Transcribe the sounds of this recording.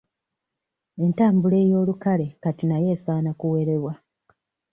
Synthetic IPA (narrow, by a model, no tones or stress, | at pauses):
e̞ntaːmbule̞ːjo̞ːlukale̞katinaje̞ːsaːnakuwe̞ɾe̞βwa